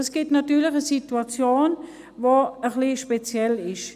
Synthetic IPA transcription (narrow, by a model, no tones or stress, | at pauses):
ɛsɡ̥itnatyːɐlɪχəsituat͡sjoːn | voəχliʃpet͡sjɛlɪʃ